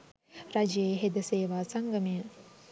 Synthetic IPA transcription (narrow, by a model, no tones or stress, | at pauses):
ɾad͡ʒeɦed̪ɐseːʋaːsɐŋɡɐmen